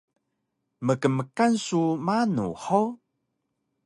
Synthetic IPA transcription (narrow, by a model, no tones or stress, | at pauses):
məkəməkansumanṵħow